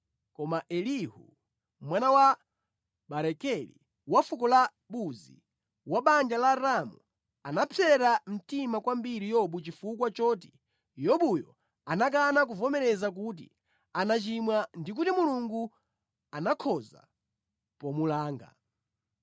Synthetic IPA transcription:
kɔmaʔɛlihṵ | mwanawa | ɓaɾɛkɛlḭ | wafukɔla | ɓuzḭ | waɓand͡ʒalaɾamu | anapʰɛɾam̩timakwambiɾijɔɓut͡ʃifukwat͡ʃɔːt̬i̥ | jɔɓujɔ̰ | anak̬anak̬uvɔmɛɾɛzak̬ut̬ḭ | anat͡ʃimwandik̬utimuluŋɡu | anakʰɔza̰ | pɔmulaːŋɡa̰

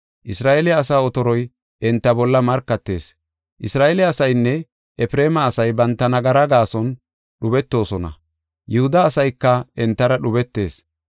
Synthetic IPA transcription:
ʔɪsɾaːʔelɪːsaːɔt̪ɔɾɔj | ʔɛnt̪ːɐbɔlːɐmɐɾkːɐt̪ːe̞̰ːs | ʔɪsɾaːelɪɐsɐjnːɛ | ɛfɾeːmɐːsɐjbɐnt̪ːɐnɐɡɐɾɐɡaːsɔn | ɗʊbɛt̪ːo̞ːsɔnɐ̰ | jʊhʊd̪ɐːsɐjkːɐɛnt̪ːɐɾɐɗʊbɛt̪ːe̞ːs

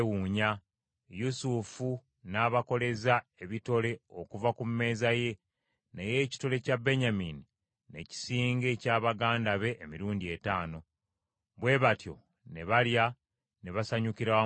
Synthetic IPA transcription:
wuːɲa | jusufu | naːβako̞le̞zae̞βito̞le̞o̞kuvakumme̞ːzaje̞ | neje̞ːci̥to̞le̞cabe̞ɲamini | ne̞ci̥siːŋɡe̞ːcaːβaɡaːndaβe̞ʔːmiɾuːɲdietaːno̞ | βwe̞ːβatjo̞̰ | ne̞βalja | ne̞βasaɲukiɾaa

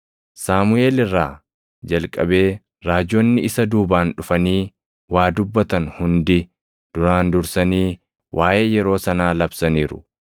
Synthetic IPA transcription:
saːmʊeːlɪrːaː | d͡ʒɐlkʼːɐbe̞ː | ɾaːd͡ʒonːɪɪsɐd̪uːbaːnᶑʊfɐniː | waːd̪ʊbːɐt̪ɐnhʊnd̪ɪ | d̪̥ʊɾaːnd̪ʊɾsɐniː | wʔaːjʔe̞ːjɛɾo̞ːsɐnaːlɐbsɐniːɾʊ̥̰

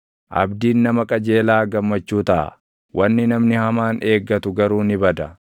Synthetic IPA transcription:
ʔɐ̰bd̪iːnːɐmɐkʼɐd͡ʒe̞ːlaːɡɐmːɐt͡ʃːuːt̪ɐʔɐ̰ | wʔɐnːɪnɐmnɪhɐmaːne̞ːɡːɐt̪ʊɡɐɾuːnɪbɐd̪ɐ

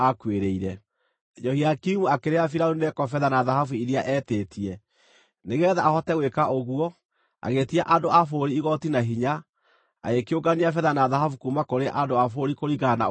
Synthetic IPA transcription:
akweɾeiɾɛ | d͡ʒɔhiakimuakeɾeafiɾaɾunɛkɔfɛðanaðahavuiɾiaʔɛːteːtʰiɛ | neɣɛðaahɔtɛɣwekaʔoɣwɔ | a̰ɣetiaʔandoafoɾiːɣɔtinaɦiɲa | a̰ekeoɡaniafɛðanaðaɦafukumakoɾeʔandoafoɾikoɾiɣana̰

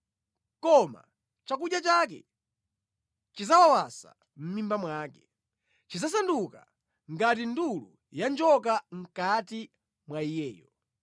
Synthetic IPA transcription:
kɔma̰ | t͡ʃak̬uɗjat͡ʃak̬ɛ̰ | t͡ʃizawawasa̰ | m̩mimbamwaːkɛ | t͡ʃizas̬anduka̰ | ŋɡat̬indulu | jand͡ʒɔkaŋ̩kati | mwaijɛːjɔ

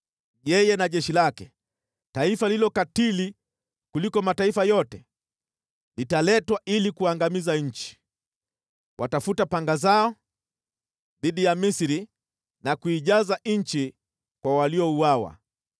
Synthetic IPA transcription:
ʄɛjɛnaʄɛʃilakɛ | taifalilɔkatili | kulikɔmataifajɔtɛ | litalɛtwaʔilikuaŋɡamizaɲ̩t͡ʃi̥ | wʔatafutapaŋɡazaɔ | ðiɗijamisiɾi | nakuiʄazaɲ̩t͡ʃi | kwawaliɔuawa̰

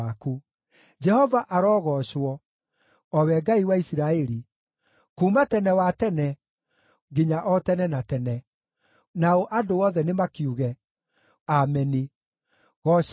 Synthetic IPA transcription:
aku | d͡ʒɛhɔvaʔaɾɔːɣɔɕwɔ | ɔwɛɡaiwaisiɾaɛɾi | kuːmatɛnɛwatɛnɛ | ɡiɲaʔɔtɛnɛnatɛnɛ | naoʔadoɔðɛnemakiuɣɛ | amɛni | ɣɔ

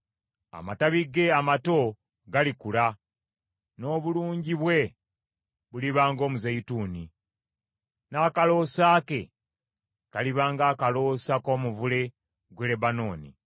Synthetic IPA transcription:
a̰mataβiɡe̞amato̞ | ɡalikula | no̞ːβuluːɲɟiβwe̞ | βuliβaːŋɡo̞ːmuzajituːni | naːkalo̞ːsaːke̞ | kaliβaːŋɡaːkalo̞sako̞ːmuvule̞ | ɡwelebano̞ːnḭ

